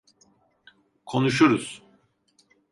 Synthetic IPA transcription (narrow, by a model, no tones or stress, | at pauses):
kʰo̞nuʃ̬uɾuz̥